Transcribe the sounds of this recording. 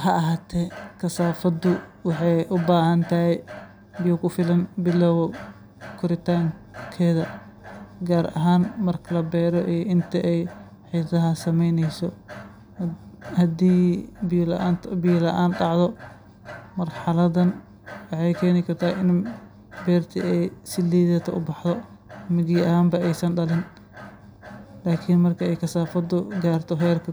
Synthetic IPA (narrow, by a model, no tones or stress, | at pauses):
hɐɐɦaːt̪ʰɛkʰɐsaːfɐd̪ʊwɑħɑjʔʊbaːhɐnt̪ʰɐɦɛj | bɪjɔkʰʊfɪlɐnbɪlːɔwwɔ | kʰʊɾɪt̪ʰaːŋkʰɛːðɐ | ɡaːɾɐ̰ɦaːnmɐrkʰɐlɐbɛːɾɔʔiːʔɪnt̪ʰɐʔɛj | ħiːθɐɦɐsɐmɛjnɛjsɔ | hɐd̪iːblːnt̪ʰbiːlɐʔaːnɖɑʕðɔ | mɐrħɑlɐðɐn | wɑħɑjkʰɛːnɪkʰɐrt̪ʰaːʔɪn | bɛːrt̪ʰḭɛjsɪliːðɛːt̪ʰɐʔʊbɑħðɔ | mɪɣiːɐhaːmbɐɛjsɐnɖɐlɪn | laːkʰɪnmɐrkʰɐɛjkʰɐsaːfɐd̪ʊɡaːrt̪ʰɔɦɛːlkʰɐ